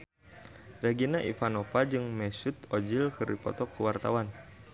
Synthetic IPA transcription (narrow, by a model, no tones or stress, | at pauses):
reɡinaʔḭfanofad͡ʒɨŋmɛsut̪od͡ʒilkɨrdipɔ̰t̪ɔkːəwart̪awan